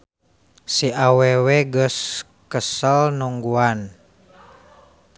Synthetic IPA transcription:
siawɛwɛɡəs | kəsəlnuŋɡuan

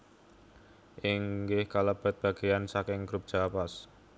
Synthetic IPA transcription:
ʔɪŋɡɪhkalab̥a̤t̪̚b̥a̤ɡ̥ejansakɪŋɡ̥ɾup̚d̥ʒ̥a̤pas

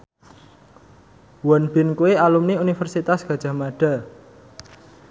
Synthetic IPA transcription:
wɔnb̥ɪ̤nkuwealumniunifərsit̪asɡ̥ä̤d̥ʒ̥a̤maɖ̥a̤

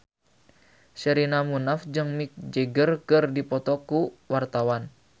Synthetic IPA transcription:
ʃəɾinamunafd͡ʒɨŋmik̚d͡ʒeɡərkɨrdipɔt̪ɔkuwart̪awan

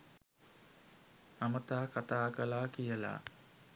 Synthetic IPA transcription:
amət̪aːkat̪aːkəlaːkijəla̰ː

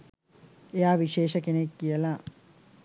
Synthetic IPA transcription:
eaːʋiʂeːʃɐkenekːijɐla

